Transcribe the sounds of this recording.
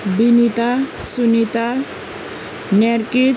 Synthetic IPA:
binit̪asunit̪a | neɾki

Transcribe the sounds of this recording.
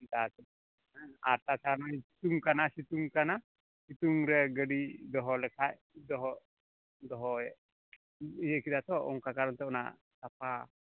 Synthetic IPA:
d̪atɛ | aa̰ɾt̪at͡ʃanɔji̥t̪uŋkanasit̪uŋkana | sit̪uŋɾɛɡəɖid̪ɔɦɔlɛkʰaʔ | d̪ɔɦɔ | d̪ɔɦɔjɛʔ | jɛʔkid̪at̪ɔɔ̰ŋkakaɾɔnt̪ɛɔna̰ʔ | t̪apa

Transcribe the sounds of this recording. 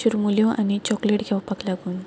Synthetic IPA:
ɕuɾmuljɔ̃ʔanit͡ɕɔkleʈɡʰʱɛwpaklaɡun

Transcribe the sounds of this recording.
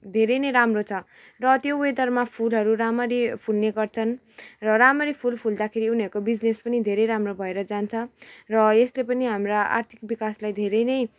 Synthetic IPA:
d̪ʱeɾʌjnʌjɾamrot͡sʰʌ | rʌt̪joed̪ʌrmapʰulɦʌɾuɾamʌɾipʰulneɡʌrt͡sʰʌn | rʌɾamʌɾipʰulpʰuld̪akʰeɾiuniʌɾkobid͡znespʌnid̪ʱeɾʌjɾamrobʱʌeɾʌd͡zant͡sʰʌrʌeslepʌniɦamraa̰rt̪ʰik̚bikaslajd̪ʱeɾʌjnʌj

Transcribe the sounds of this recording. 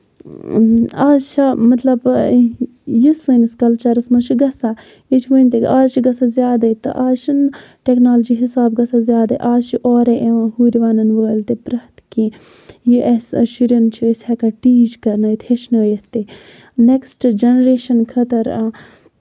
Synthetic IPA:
aːzt͡ʃʰamɐt̪lɐb | jisəniskɐlt͡ʃɐɾɐsmɐt͡ʃʰiɡɐsa | it͡ʃʰiʋənʲt̪ekaːzt͡ʃʰiɡɐsazʲjaːd̪ɐjt̪ɨ̰ʔaːʃʰin | ʈeknaːld͡ʒiɦisaːbɡɐsazjaːd̪ɐʔaːzt͡ʃʰiʔɔːɾeʔeʋãːɦuːɾiʋaːnɐnʋəɡɐlʲt̪epɾɐht̪kĩː | jiʔɐsʃiɾɐnt͡ʃʰiisʲhɐkɐʈiːd͡ʒkɐɾnɐjit̪ʰhet͡ʃʰnɐjɐt̪e | neksʈd͡ʒɐnɾeːʃɐnkʰɐt̪ɐɾ

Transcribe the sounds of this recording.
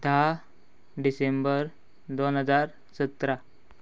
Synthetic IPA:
d̪ʱa | ɖisembəɾ | d̪onɦəd͡zaɾ | sət̪ɾa

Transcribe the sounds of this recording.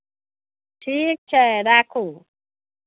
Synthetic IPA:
ʈʰik̚t͡ʃʰaɾakʰu

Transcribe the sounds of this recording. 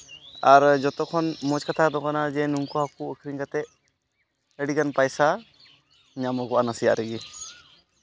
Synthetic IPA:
aɾd͡ʒɔt̪ɔkʰɔnmɔd͡ʒkat̪ʰad̪ɔkanad͡ʒɛnuŋkɔhakuəkʰɾiɲkat̪ɛʔ̚ | əɽikanpajsa | ɲamɔɡɔʔanasija̰ʔɾɛɡi

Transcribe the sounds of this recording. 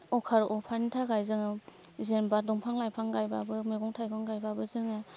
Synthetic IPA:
ɔkʰaɾɔpʰanitʰaɡajzɯŋɯ | zenbadɔŋpʰaŋlajpʰɾaŋɡajbabɯmeɡɔŋtʰajɡɔŋɡajbabɯzɯŋɯ

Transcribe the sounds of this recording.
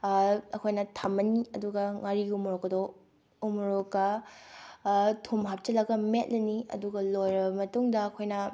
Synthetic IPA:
ɐkʰojnɐtʰɐmːɐniɐduɡɐŋaɾiumɾokːɐdo | umɾokːɐ | tʰomɦap̚t͡ʃɐlɐɡɐmet̚lɐniɐ̰duɡɐlojɾɐbɐmɐtuŋdɐːkʰojnɐ

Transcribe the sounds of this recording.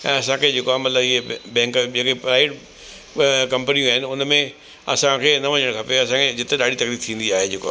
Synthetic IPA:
ɛ̰̃ːɐsãkʰed͡ʑeːkoaːɦemɐt̪ləbɪɦebɛ̃ːŋkd͡ʑekepɾaːɪɪʈ | kɐ̃mpənijũaːɦɪnɪʊnmẽ | ɐ̰sãkʰeːnɐʋɐɲəɽ̃kʰapeɐs̬ãkʰed͡ʑɪt̪eɗaːɽit̪ɐkliːɾt̪ʰĩːnd̪iaːɦed͡ʑeːko̰aː

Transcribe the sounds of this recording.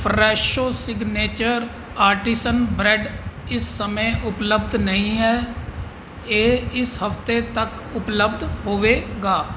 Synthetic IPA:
pʰɾɛːʃoːsɪɡneːt͡ʃəɾ | aːɾʈiːsənbɾɛɖɪsːəmẽʔʊpləbd̪nəɦĩːɦɛː | eːɪsɦəft̪eːt̪ək | ʊpləbd̪hoːʋeːɡaː

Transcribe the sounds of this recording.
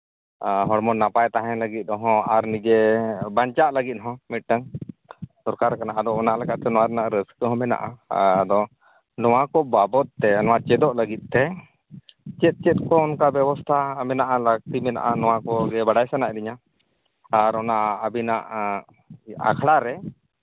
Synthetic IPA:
ɦɔɽmɔnapajt̪aɦɛ̃ləɡit̪̚ˀɔɦɔ̃aɾnid͡ʒɛbaɲt͡ʃaʔləɡit̪̚ɦɔ̃mit̪̚ˀʈaŋ | sɔɾkaɾkanaʔad̪ɔɔnaʔlɛkaʔt̪ɛnɔwaɾɛnaʔɾəskəɦɔ̃mɛna̰ʔa̰d̪ɔ | nɔwakɔbabɔt̪̚t̪ɛnɔwat͡ʃɛd̪ɔʔləɡit̪̚ˀt̪ɛ | t͡ʃɛt̪̚t͡ʃɛt̪̚kɔɔnkabjɛbɔst̪ʰamɛnaʔaləɡ̚t̪imɛna̰ʔanɔwakɔɡɛbaɽajsanaʔɾiɲa | aɾɔnaʔəbinaʔ | a̰kʰɽaɾɛ

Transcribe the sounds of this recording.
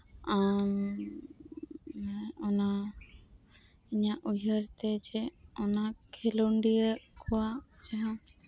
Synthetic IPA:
am | ɔna | iɲaʔujəɾt̪ɛd͡ʒɛɔnakʰeluɳɖiəkʰɔwad͡ʒaɦã

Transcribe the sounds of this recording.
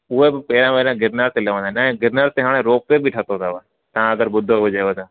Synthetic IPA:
ʊebpeːɾãːmeːɾãːɡɪɾnaːɾt̪eləʋãːd̪anãːɡɪɾnaːɾt̪eɦaːɽ̃ẽɾoːk̚pebʱiʈʰat̪õd̪aːʋaː | t̪ãːəɡəɾbʊd̪ʱːood͡ʒaːʋːd̪ãː

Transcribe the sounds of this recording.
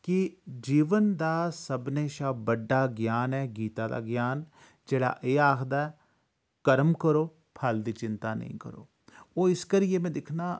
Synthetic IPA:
kɪd͡ʒiːʋənd̪aːsəbneːʃaːbəɖːaːɡjaːnɛːɡiːt̪aːd̪a̰ːɡjaːn | d͡ʒeːɽa̰ːʔeːaːkʰd̪aːɛː | kəɾəmkəɾoː | pʰəld̪iːt͡ʃɪnt̪aːnə̰ḭ̃ːkə̰ɾo̰ː | oːɪskəɾɪeːmɛ̃ːd̪ɪkʰnaː

